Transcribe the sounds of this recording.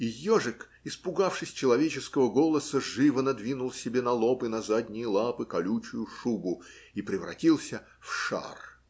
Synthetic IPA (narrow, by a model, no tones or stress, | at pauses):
ijoʐɨk | ɪspʊɡafʂɨsʲt͡ɕɪlˠɐvʲet͡ɕɪskəvəɡo̞lˠəsəʐɨvənɐd̪vʲinʊlˠsʲɪbʲe̞nɐlˠo̞pɨnɐzad̪ʲnʲɪjəlˠapɨkɐlʲut͡ɕʊjʊʂubʊ | ipɾʲɪvɾɐ̰tʲilˠsʲə | fʂa̰r